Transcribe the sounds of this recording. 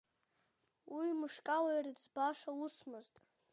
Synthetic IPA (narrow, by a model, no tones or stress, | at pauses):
wimɨʂkʼalajrid͡zbaʂawusmɨztʼ